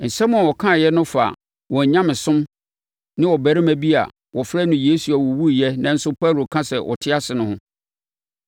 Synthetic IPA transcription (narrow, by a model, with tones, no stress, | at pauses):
n̩˨sɛ̃˦mʊ̃˦a˨wɔ˨kʰã˦˨jɛ˦nʊ̃˦fa̰˨ | wɔ˨ɲã˦mɪ̃˨sʊ̃˦m | nɪ̃˦wɔ˨bæ˨ɾɪ˦mæ̃˦bi˦a̰˨ | wɔ˨fɾɛ˦nʊ̃˨jeː˦su˨a˨wɔ˨wu˦jɛ˦nã˦n̩˦sʊ˦pʰa˦ɾo˨kʰã˦sɛ˨wʔɔ̰˨tʰɪ˦a˦sɪ˨nʊ̃˦hʊ̃˦